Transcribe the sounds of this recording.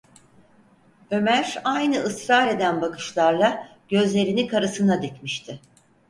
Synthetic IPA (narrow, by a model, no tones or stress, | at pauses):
ø̞mæɾajnɯɯsɾaːɾe̞d̪ænbakʰɯ̥ʃlˠaɾlˠaɟ̥ø̞zlʲe̞ɾinikʰaɾɯsɯnad̪ecmiʃt̪ʰɪ